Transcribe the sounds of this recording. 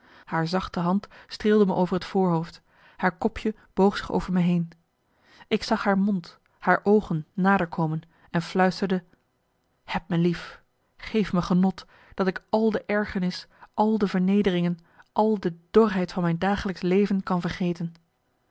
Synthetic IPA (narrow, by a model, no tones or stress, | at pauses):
haːɹzɑχtəɦɑntstrɪːlˠdəməʔowvəɹɦətfʊːɹɦowft | haːɹkɔpʰjə | b̥owχsɪχo̰wv̥əɹmɛjɦejn | ɪksɑχɦaːɹmɔnt | haːɹʔowχənːaːdəɹkʰowmən | ɛnflœɥstəɹdə | hɛp̚məlif | χejfməχənɔt | d̥ɑtɪkɑlˠdəʔɛɹχəɹnɪsʔɑlˠdəvəɹnejdərɪŋən | ʔɑlˠdəd̥ɔrɦɛjtfɑnmɛjndaːχələkslejvənkɑnvəɹχejtən